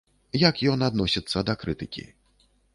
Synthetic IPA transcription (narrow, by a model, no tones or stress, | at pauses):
jakjɔnad̪nɔsʲit̪sːɐd̪ɐkɾɨt̪ɨkʲḭ